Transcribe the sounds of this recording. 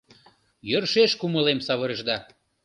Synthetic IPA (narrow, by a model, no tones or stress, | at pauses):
jørʃeʃkuməlemsɑβəɾə̆ʒd̪ɑ